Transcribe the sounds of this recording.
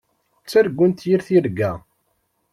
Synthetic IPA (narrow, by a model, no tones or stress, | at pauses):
t͡sːæɾɡʷːənt̪jiɾθiɾɡæ